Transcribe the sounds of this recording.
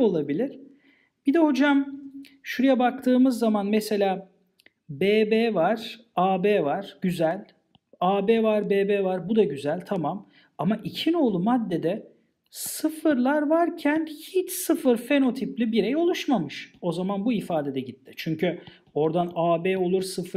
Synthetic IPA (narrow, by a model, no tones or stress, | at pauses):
o̞lˠabilʲiɾ̥ | b̥id̪ɛho̞d͡ʒam | ʃuɾujabak̚t̪ʰɯːmɯzːamanmɛse̞lʲaː | beːbeːvaɾ̥aːbeːvaɾ̥ɟ̥yzælʲ | aːbeːvaɾbeːbeːvaɾbud̪aɟyzælʲt̪ʰamam | amaʔicʰino̞ːlˠumad̪ːe̞d̪ɛ | sɯfɯɾlˠaɾvaɾcʰænhit͡ʃsɯfɯɾfe̞no̞t̪ʰiplʲibiɾɛjo̞lˠuʃmamɯʃo̞zamanbuifaːd̪e̞d̪ɛɟit̪ʰːɪ̥t͡ʃʰyɲcʰy | o̞ɾd̪anaːbeːo̞lˠuɾsɯf